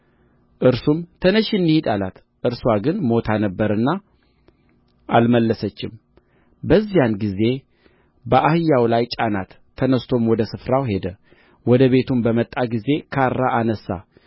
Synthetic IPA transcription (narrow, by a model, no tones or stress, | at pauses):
ʔɨɾsumt̪ʰənəʃɨnːihid̪alat̪ | ʔɨɾswaɡɨnmo̞t̪ʰanəbːəɾɨnːa | ʔalməlːəsət͡ʃːɪm | bəzːijanɡize̞ | bəʔahɨjːawlajt͡ʃʼanat̪ʰːənəst̪ʰo̞mwɔd̪əsɨfɾawɦe̞d̪ə | wɔd̪əβe̞t̪ʰumbəmət̪ʼːaɡize̞kʰaɾːaʔanəsːa̰